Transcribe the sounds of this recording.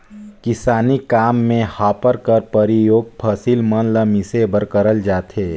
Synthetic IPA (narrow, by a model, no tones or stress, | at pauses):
kɪsaːnikaːmːẽhaːpəɾkəɾpɐɾijoːɡ̚pʰasilmənləmɪsebəɾkəɾəld͡ʒaːt̪eː